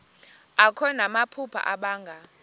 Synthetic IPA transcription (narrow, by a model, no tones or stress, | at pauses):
akʰɔnamapʰupʰa̰ʔaɓaːŋɡʱa